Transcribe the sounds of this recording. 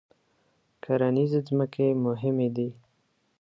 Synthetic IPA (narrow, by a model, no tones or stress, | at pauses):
kʰaɾanizezməkʰemʊɦɪmed̪i